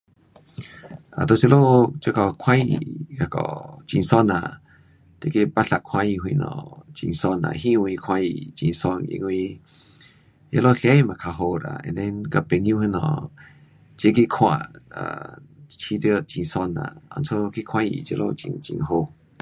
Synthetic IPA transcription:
ʔa̰˨d̪o˧˨t͡ʃe˧˦lo˦t͡ʃə˧˦kɔ˨kʰwã˦jḭ˨ka˧˨kɔ̰˨t͡ʃĩ˧˨ŋsɔ˧na̰˨ | d̪̥e˧˦ke˧ba˦ɬa˧˨ʔkʰwã˧˦ji˧˨ɦwĩ˧nɔ̰̃˧˨t͡ʃḭ˧ŋsɔ˧nã̰˨ɦĩ˦˧wĩ˧kʰwã˧jḭ˨t͡ʃi˧˨ŋsɔ˧nḭ˧ŋwĩ˧ | jḛ˧˦lo˦˧ɬɛ˦i˨mã˨kʰa˧ɦo˧ɾa̰˧˨ɛ̰̃˨nd̪ɛ˧nka˧pe˧˨ŋjũ˦hi˧nɔ̰̃˧˨ | d͡ʒe˦ke˦˧˨kʰw̃ʷã̰˧˨ʔa̰˧˨t͡ʃʰi˧di˧˦˨t͡ʃi˧˨ŋsɔ˧nã̰˨ɔ̰˧˨nt͡sʰo˧˦ki˦˧kʰwã˦jḭ˨t͡ʃḛ˧˦lʔo̰˦˧t͡ʃḭ˧ŋt͡ʃḭ̃˧˨ŋɦo˧

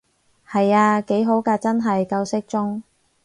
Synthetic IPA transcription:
hɐ˨jaː˧ke˨˥jɦo˨˥wkaː˧t͡sɐ˥nɦɐ˨jkɐ˧wsɪ˥k̚t͡sʊ˥ŋ

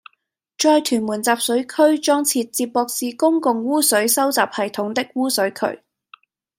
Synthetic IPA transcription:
t͡ʃɔː˧jt̪ʰyː˨˩nmuː˨˩nt͡saː˨p̚sɵ˨˥ɥkʰɵ˥ɥt͡ʃɔː˥ŋt͡sʰiː˧t̚t͡siː˧pːɔː˧k̚siː˧kʊ˥ŋkʊ˨ŋwuː˥sɵ˨˥ɥsɐ˥wt͡saː˨p̚hɐ˨˩jt̪ʰʊ˨˥ŋt̪ɪ˥k̚wuː˥sɵ˨˥ɥkʰɵ̰˨˩ɥ

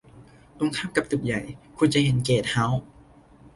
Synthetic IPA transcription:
t̪o˧˦ŋkʰaː˥˩p̚ka˨˩p̚t̪u˨˩k̚ja˨˩jkʰu˧nt͡ɕa˨˧˨ɦe˨˩˦nkeː˨˩t̪̚ha˦˥w

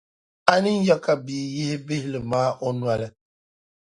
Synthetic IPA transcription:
a˦ni˦n̩˦jɔ˦ka˨biː˨je˦hbɪ˦hɪ˦lɨ˨maː˦ʔɔ˦nu˨˦a˨lɨ˦

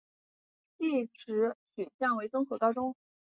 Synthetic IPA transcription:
t͡ɕi˥˩ʈ͡ʂɻ̩˧˥ɕy˨˩nɕjɑ˥˩ŋwe˧˥ɪt͡sʊ˥ŋxɤ˧˥kɑ˥ʊʈ͡ʂʊ˥ŋ

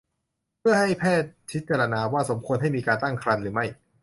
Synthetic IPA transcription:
pʰɯ˥˩ɐha˥˩jpʰɛː˥˩t̪̚t͡ɕʰi˦˥t̪̚t͡ɕaː˧ɾa˧naː˧waː˥˩so˩˦mkʰu˧ənɦa˥˩jmiː˧kaː˧nt̪a˥˩ŋkʰɾa˧nɾɯː˩˦ma˥˩j

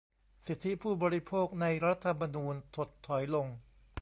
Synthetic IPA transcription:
si˨˩t̪ʰːi˦˥pʰuː˥˩bɔː˧ɾi˦˥pʰoː˥˩k̚na˧jɾa˦˥t̪ʰːa˧ma˧nuː˧nt̪ʰo˨˩t̪ʰːɔ˩˦jlo˧ŋ

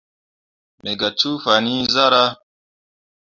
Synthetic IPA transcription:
me˨ɡa˨t͡ʃu˦fa˨ni˦za˦ɾa˦

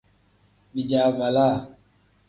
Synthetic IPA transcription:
ɓi˨d͡ʒaː˨va˨laː˦˨

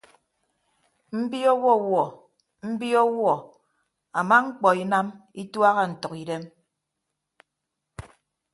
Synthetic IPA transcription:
m̩˦bi˦ɔ˦wɔ˦˨wɔ˨ | m̩˦bi˦ɔ˦wɔ˨ | a˨ma˦ŋ͡m̩˦k͡pɔ˨i˦na˦mi˦twa˦ɣa˦n̩˨tɔ˨ki˨de˦m

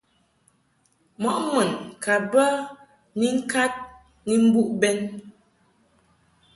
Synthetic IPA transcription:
mɔ˨ʔmə˨nka˨bə˦ | ni˦ŋ̩˦ka˦t̚ | ŋi˦m̩˦bu˦ʔbɛ˦n

